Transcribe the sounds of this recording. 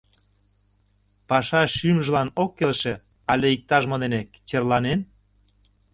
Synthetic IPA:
pɑʃɑʃymʒə̆lɑnokːelʃĕ | ɑlʲeik̚t̪ɑʒmod̪enekt͡ɕerlɑnen

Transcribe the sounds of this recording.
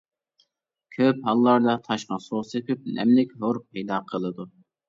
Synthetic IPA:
kʲʰøphɑlˠːɑɾd̪ɑt̪ʰɑʃqɑsoʁsepɪp̚nɛ̰mlɪkʲɦoɾpʰɛjd̪ɑːqʰəlˠɨd̪u

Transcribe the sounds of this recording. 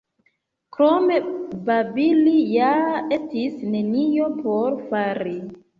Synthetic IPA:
kɾome̞babilijaetisne̞nijo̞poɾfaɾi

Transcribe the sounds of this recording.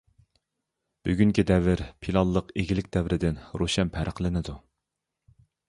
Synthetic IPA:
b̥yɡʲyŋkʲid̪ɛvɪɾpʰilˠɑlːˠəqeɡʲilɪkʲd̪ɛvɾɪd̪ɪnɾoʃɛnpʰæɾʔəqlˠɪnɪd̪u

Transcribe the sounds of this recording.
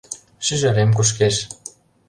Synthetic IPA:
ʃyʒaɾemkuʃ̬keʃ

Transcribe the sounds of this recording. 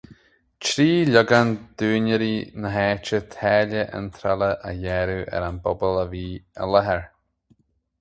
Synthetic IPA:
t͡ʃɾiːlʊɡand̪̥uːnəɾinəɦɛːt͡ʃət̪ʰɛːləʔə̰nt̪ʰɾaləʔə̰jɛɾuʔɛ̰ɾanbɔbələviːə̰ləɦɛɹ

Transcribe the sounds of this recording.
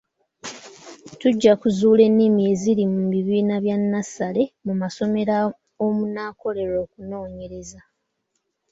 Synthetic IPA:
tuɟːakuzuːle̞nːimie̞ziɾimuβiβiːnaβjanːasale̞mumaso̞me̞ɾa | omunaːko̞le̞ɾo̞ːkuno̞ːɲe̞ɾe̞za

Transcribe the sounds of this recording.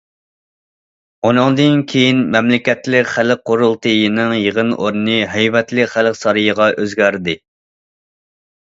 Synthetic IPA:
onɨŋd̪ɨnkʲʰejinmɛmlɪkʲɛt̪lɪkʲχælq̚ʰːoɾulˠt̪ʰɨjɨnɨŋjəʁənʔo̰ɾɨnɨɦɛjvɛt̪lɪkχælqsɑɾɨjəʁɑʔøzɡʲæɾd̪ɪ

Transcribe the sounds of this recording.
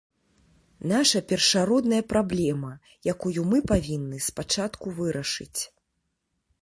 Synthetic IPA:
naʂɐpʲɛrʂaɾɔd̪nɐjɐpɾablʲɛmɐ | jakujumɨpavʲinːɨspat͡ʂat̪kuvɨɾɐʂɨ̰t͡sʲ

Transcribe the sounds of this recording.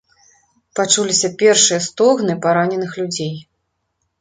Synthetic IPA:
pat͡ʂulʲisʲɐpʲɛrʂɨjɐst̪ɔɣnɨpaɾanʲɛnɨxlʲud͡zʲej

